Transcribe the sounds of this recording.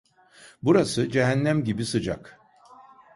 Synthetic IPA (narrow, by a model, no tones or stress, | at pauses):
buɾasɯd͡ʒeɦænːæmɟibisɯd͡ʒak